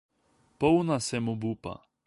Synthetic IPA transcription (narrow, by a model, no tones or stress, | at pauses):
pownasɛmobupa̰